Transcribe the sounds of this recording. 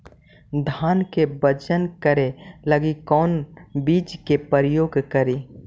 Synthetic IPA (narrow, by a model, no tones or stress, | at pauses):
d̪ʱaːnkebəd͡ʒənkəɾeləɡikɔːnbiːd͡ʒkepəɾjoːɡkəɾeː